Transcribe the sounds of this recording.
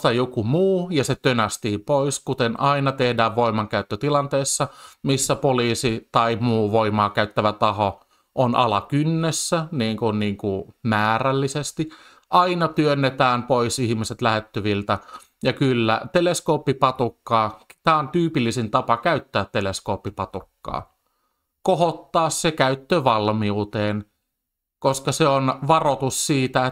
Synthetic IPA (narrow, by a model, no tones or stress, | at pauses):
t̪ɑjokumuːjɑset̪ønæst̪iːpoiskut̪enɑinɑt̪ehdæːʋʋoimɑŋkæyt̪ːøt̪ilɑnt̪eisːɑmisːæpoliːsit̪ɑimuːʋoimɑːkæyt̪ːæʋæt̪ɑho | ʔonɑ̰lɑkynːesːæniːŋkunniːŋkumæːrælːisest̪i | ʔɑinɑt̪yønːet̪æːmpoisihmiset̪læhet̪ːyʋilt̪æ | jɑkylːæ̰t̪eleskoːpːipɑt̪ukːɑːt̪æːont̪yːpilːisint̪ɑpɑkæyt̪ːæːt̪ːeleskoːpːipɑt̪ukːɑ̰ː | kohot̪ːɑːssekæyt̪ːøʋɑlmiut̪eːn | koskɑseonʋɑrot̪ussiːt̪æ